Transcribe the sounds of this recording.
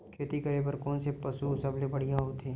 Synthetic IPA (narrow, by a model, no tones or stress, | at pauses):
kʰeːt̪ikɐɾebəɾkɔːnsepɐsusɐblebɐɽ̤ijãɦot̪ʰeː